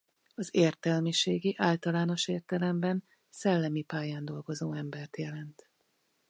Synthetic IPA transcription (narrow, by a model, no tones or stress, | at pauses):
ɒzeːrt̪ɛlmiʃeːɡiʔaːlt̪ɒlaːno̞ʃeːrt̪ɛlɛmbɛn | sɛlːɛmipaːjaːnd̪o̞lɡo̞zoːɛmbɛrt̪jɛlɛnt̪